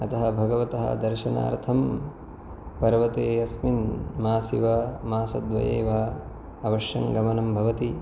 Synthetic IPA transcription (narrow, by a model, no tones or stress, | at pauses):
ɐt̪ɐɦɐbʱɐɡɐʋɐt̪ɐɦɐ̰d̪ɐɾʃɐna̰ːɾt̪ʰɐm | pɐɾɐʋɐt̪eːɐsminmaːsiʋamaːsɐ̰d̪ʋɐ̰jḛːʋaː | ɐʋɐʃjɐŋɡɐmɐnɐmbʱɐʋɐt̪i